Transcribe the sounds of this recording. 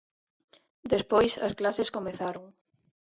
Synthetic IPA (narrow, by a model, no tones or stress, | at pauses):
d̪espojsɐ̰sklaseskomeθaɾoŋ